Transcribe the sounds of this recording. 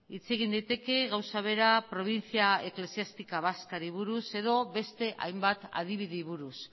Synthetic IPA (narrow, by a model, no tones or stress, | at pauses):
it͡se̞ɣind̪ajt̪e̞ke̞ɣawsaβ̞e̞ɾapɾo̞β̞int͡siaekle̞siast̪ikaβaskaɾiβ̞uɾuse̞ðo̞βe̞st̪e̞ʔa̰jmbat̪a̰ð̞iβ̞iðiβuɾus